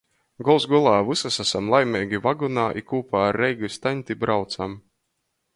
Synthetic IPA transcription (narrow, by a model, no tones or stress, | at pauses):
ɡɔlˠsɡulˠaːvusasasamlˠajmʲɛːɡʲivaɡunaːʔikuːpaːɾːɛjɡust̪aɲʲt̪ʲibɾawt̪sam